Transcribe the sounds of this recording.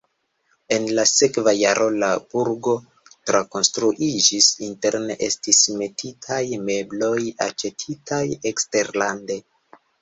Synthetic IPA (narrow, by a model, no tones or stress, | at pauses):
e̞nlase̞kvajaɾʔo̞lab̥uɾɡo̞ | tɾako̞nstɾuʔid͡ʒisinte̞ɾne̞̰ʔe̞̰stisme̞titʰajme̞blo̞ja̰t͡ʃe̞tʰitʰajekste̞ɾlande̞